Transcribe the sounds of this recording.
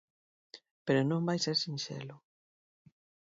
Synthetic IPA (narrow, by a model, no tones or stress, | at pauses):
peɾʊnõmbajseɾsinʃḛlʊ